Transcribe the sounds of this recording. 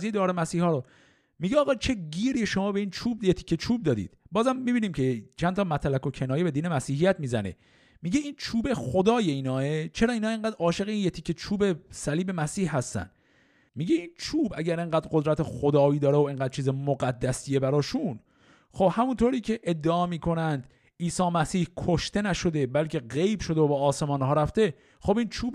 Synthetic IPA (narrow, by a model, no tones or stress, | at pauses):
zied̪ɒːɾemæsiːhɒːɾo | miɟeɒːɣɒːt͡ʃʰe̞ɟiːɾiːʃo̞mɒːbe̞iːnt͡ʃʰuːb̚jet̪ʰi̥ːkʰːet͡ʃʰuːb̚d̪ɒːd̪ḭːd̪̥bɒːzæmːibiːniːmcʰet͡ʃʰænt̪ʰɒːmæt̪ʰlæko̞cʰenɒːjebe̞d̪iːnemæsiːɦijæt̪miːzænḛ | miːɟeint͡ʃʰuːbexod̪ɒːjeiːnɒːet͡ʃʰe̞ɾɒːinɒːeŋɢæːd̪ɾɒːʃe̞ɣeinjet̪ʰikʰːet͡ʃʰuːbe̞sæliːbe̞mæsiːhɦæst̪æ̰nd̪ | miːɟe̞int͡ʃʰuːbæɟæɾeŋɢæːd̪ɾɡod̪ɾæt̪ʰexod̪ɒːiːd̪ɒːɾeoeŋɡæːd̪̚t͡ʃʰiːzemoɡæd̪ːæsijebæɾɒːʃun | xo̞b̥hæmunt̪ʰoɾiːcʰe̞ʔed̪ːeɒːmiːkʰo̞nænd̪ | iːsɒːmæsiːhkʰoʃt̪e̞næʃo̞d̪e̞bælcʰe̞ɢe̞jbʃo̞d̪eobɒːse̞mɒːnɦɒːɾæft̪e̞ | xo̞bint͡ʃʰuːb